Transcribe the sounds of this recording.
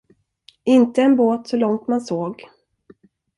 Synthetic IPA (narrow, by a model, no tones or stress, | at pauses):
ɪnt̪əɛnboːt̪sɔlɔŋt̪mansoːɡ